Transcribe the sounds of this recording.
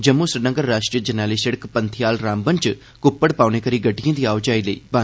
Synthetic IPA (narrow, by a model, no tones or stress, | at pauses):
d͡ʒəmːusɾɪɾnəŋɡəɾːaːʂʈɾijəd͡ʒənaːliːsəɽəkpənt̪ʰijaːlɾãːmbənt͡ʃ | kʊpːəɽpaːuneːkəɾiːɡəɖijãːd̪iːaːʋd͡ʒaːiːləḭːba